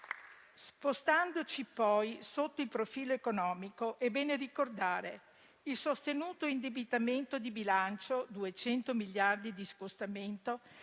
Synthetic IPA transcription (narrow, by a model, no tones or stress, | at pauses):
spost̪and̪ot͡ʃipɔjsot̪ːoilpɾofiːloekonɔːmikoʔebɛːnerikord̪aːɾe | ilsost̪enuːt̪oind̪ebit̪ament̪od̪ibilant͡ʃod̪uet͡ʃɛnt̪omiljard̪id̪iskost̪ament̪o